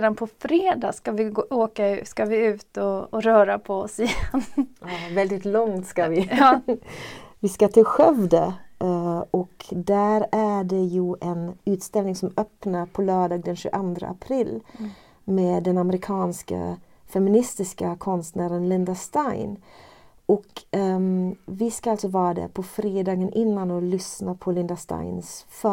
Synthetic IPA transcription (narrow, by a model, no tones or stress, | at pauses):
d̪anpʰɔfɾeːd̪ɑ̰ːskavɪoːkaʉskavɪʉ̟ːt̪ɔːɾœːɾapʰɔɔsɪjɛnɑvɛld̪ɪt̪lɔŋt̪skavɪ | vɪskat̪ʰɪɧɛvd̪ə | ɔkd̪æɾæɖɛjɵʔɛnʉ̟ːt̪st̪ɛlnɪŋsɔmœpnaɾpʰɔlœːɖɑːɡ̚d̪ɛnɕʉ̰ʔand̪ɾə̰ʔa̰pʰɾɪlː | meːd̪ɛnaməɾɪkʰɑːnska̰ | fɛmɪnɪst̪ɪskakʰɔnst̪næːɾənlɪnd̪aʂt̪ajn | ʔɔk | vɪskaalt̪sɔvɑːɾad̪æ̰ɾpʰɔfɾeːd̪ɑːɡənʔɪnːanɔlʏsnapʰɔlɪnd̪aʂt̪a̰ɪnsfœ